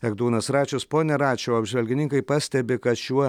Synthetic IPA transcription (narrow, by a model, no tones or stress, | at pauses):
ɛɡd̪uːnɐsɾɑːt͡ʃʲʊspoːnʲɛɾɑːt͡ʃʲɛʊɐbʲʒʲʋʲɛlʲɡʲɪnʲɪŋkɐɪpɑsʲt̪ʲɛbʲɪkɐt̪ʃʲuɔ